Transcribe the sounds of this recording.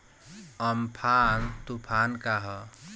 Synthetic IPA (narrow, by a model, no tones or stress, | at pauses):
ʌmpʰant̪upʰankaɦʌ